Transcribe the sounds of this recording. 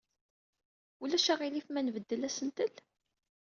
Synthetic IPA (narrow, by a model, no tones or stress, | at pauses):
ulæʃæʁilifmænvəd̪ːəlæsənt̪əl